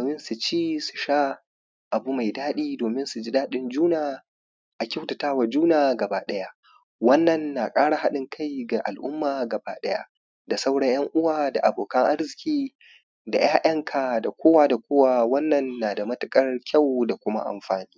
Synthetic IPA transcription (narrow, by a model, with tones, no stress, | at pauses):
doː˨mɪ˦nsu˨t͡ʃiː˦su̥˨ʃaː˦ | ʔa˨bu˦ma˨jdaː˦ɗiː˦doː˨mɪ˦nsu˨d͡ʒi˦daː˦ɗɪ˨nd͡ʒuː˦naː˨ | ʔa˨kʲa˦wta˨taː˦wa˨d͡ʒuː˦naː˨ɡɐ˨baː˦ɗɐ˦ja˦ | wɐ˦nːɐ˨nːa˨kʼaː˦ɽa˨ɦa˦ɗɪ˦ŋkʰa˦jɡa˨ʔa˨lʔʊ˦mːaː˨ɡɐ˨baː˦ɗɐ˦ja̰˦ | da˨sa˦wɽɐ˦ɲjɐ˦ŋʔʊ˦waː˨da˨ʔa˨boː˨kɐ˦ŋʔa˦rzɪ˨kʲiː˦ | da̰˨jʔaː˦ʔɐ˦ŋkʰa˨da˨kʷoː˦waː˦da˨kʷoː˦waː˦wɐ˦nːɐ˨nːaː˨da˨mɐ˦tʊ˨˦kʼɐ˦rkʲʰa˦˨wda˨kʷʊ˦ma̰˦ʔa̰˨mɸaː˨niː˦